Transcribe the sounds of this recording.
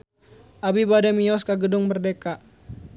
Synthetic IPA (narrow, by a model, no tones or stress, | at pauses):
ʔabibadɛmiɔskaɡədʊŋbərdeka